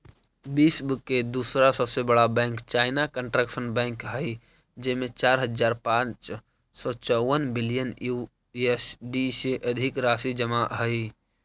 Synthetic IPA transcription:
biːsbkːed̪uːsɾasəbsebəɽabɛ̃ːŋkt͡ʃaɪnakəɳʈɾəkʃənbɛ̃ŋkɦəɪ | d͡ʒemẽt͡ʃaːɾɦəd͡ʒaːɾpãːt͡ʃ | sɔt͡ʃɔwənbilijənju | esɖiseʔəd̪ʱɪkɾaːsid͡ʒəmaɦəj

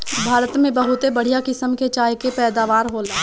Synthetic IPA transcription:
bʱaːɾət̪mẽbɐɦʊt̪ebɐɽ̤ijakɪsəmket͡ʃaːɦjkepɛːd̪aːʋaːɾɦoːla

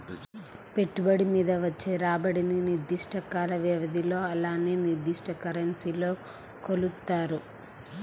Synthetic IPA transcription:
pe̞ʈːubɐɽimiːd̪ɐʋɐt͡ʃːeːɾaːbɐɽininiɾd̪iʂʈɐkaːlɐʋjɐʋɐd̪ʱilo̞ːɐlaːneːniɾd̪iʂʈɐkɐɾɐnsiːlo̞ː | kolut̪ːaːɾu

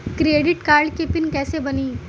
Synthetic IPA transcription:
kɾeːɖɪʈkaːɾɖkepɪnkɛːsebɐniː

